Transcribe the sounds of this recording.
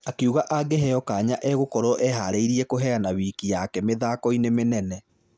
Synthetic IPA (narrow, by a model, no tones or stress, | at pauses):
akeuɣaʔaɡeɦɛjɔkaɲaʔɛɣokɔɾɔʔɛɦaɾeiɾiɛkoɦɛanaβiːkijakɛmeðakɔinemenɛnɛ